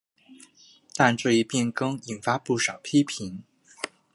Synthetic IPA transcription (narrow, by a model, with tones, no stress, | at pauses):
t̪a˥˧nʈ͡ʂɤ˥˧i˥˧pjɛ˥˩nkɤ˥ŋi˨˩nfa˥pu˥˩ʂɑ˨˩ʊpʰi˥pʰi˧˥n